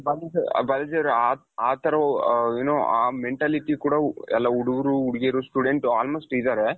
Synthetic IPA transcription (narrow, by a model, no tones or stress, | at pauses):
bɐld͡ʒ̰bɐlɐd͡ʒɐʋɾaː | aːt̪ɐɾɐeːnoːaːmeɳʈaːliʈikuːɽaɛlːɐuɽuɡɐɾuːɽɡeɾusʈuɖeɳʈaːlmoːsʈid̪aːɾe